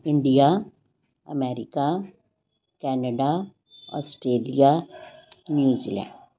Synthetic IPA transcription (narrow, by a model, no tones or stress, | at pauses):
ɪ̃ɳɖija | ɐmɛːɾɪka | kɛːnəɖa | ɔ̰ːsʈɾeːlija | njuːziːlɛ̰̃ːɳɖ